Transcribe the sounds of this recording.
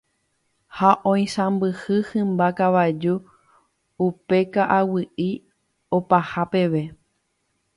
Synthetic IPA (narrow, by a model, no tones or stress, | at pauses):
haʔõ̞j̃sãmbɨhɨhɨ̃mbakaʋad͡ʒu | upe̞kaʔawɨʔi | opahape̞ʋe̞